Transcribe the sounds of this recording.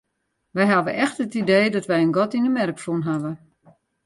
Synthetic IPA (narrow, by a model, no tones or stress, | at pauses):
ʋɛjɦaʋəʔɛxtətideːdɔtʋɛjənɡɔtinəmɛrkfunɦaʋə